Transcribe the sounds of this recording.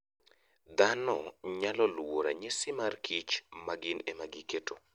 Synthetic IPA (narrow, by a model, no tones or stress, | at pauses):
d̪anɔɲalɔlwoɾa̰ɲesɪmarkʰit͡ʃmaɡɪnemaɡiketo